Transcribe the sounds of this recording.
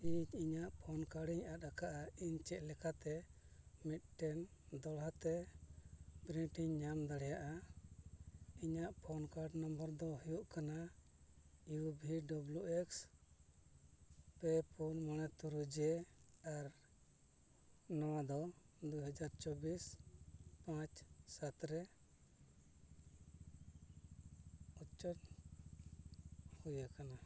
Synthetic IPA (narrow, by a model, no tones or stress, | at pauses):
iɲiɲaʔpʰɔnkaɽiɲat̪̚akaʔaiɲt͡ʃɛʔ̪̚lɛkat̪ɛmit̪̚ˀʈɛnd̪ɔɽɦat̪ɛ | bɾiʈiɲːamd̪aɽɛjaʔa | iɲaʔpʰɔnkaɖnɔmbəɾd̪ɔɦujuʔkana | ijubʱiɖɔblueks | pɛpʰunmɔɽ̃ɛt̪uɾud͡ʒɛaɾ | nawad̪ɔ | d̪uɦad͡ʒaɾt͡ʃɔbis | pãt͡ʃsat̪ɾɛ | ut͡ʃːɔʈ | hujakana